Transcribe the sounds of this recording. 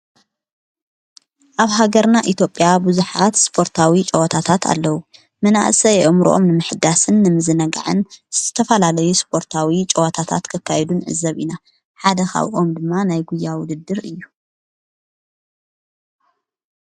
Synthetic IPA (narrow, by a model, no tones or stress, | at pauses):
ʔaβɦaɡɐɾnaʔit̪ʰjo̞pʼjabuzuħat̪spʰo̞ɾt̪ʰawit͡ʃʼɐwɐt̪ʰat̪ʰat̪ʰa̰lːɐwu | mɐna̰ʔsɐjɛʔomɾṵʔomnɨmɨħɨd̪asɨnːɨmɨzɨnɐɡa̰ʕɨnz̥zɨt̪ʰɐfɐlalɐjuspʰo̞ɾt̪ʰawit͡ʃʼɐwɐt̪ʰat̪ʰa̰t̪kʰɨkʰːajɛd̪unʕɨ̰zːɐβina | ħad̪ɐxa̰βʔo̞md̪ɨmːanajɡujːawʊd̪ɨd̪ːɨɾɨjːu